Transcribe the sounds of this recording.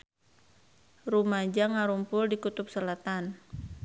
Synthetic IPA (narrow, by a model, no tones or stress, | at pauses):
rumad͡ʒaŋaɾumpʊldikut̪ʊp̚səlat̪an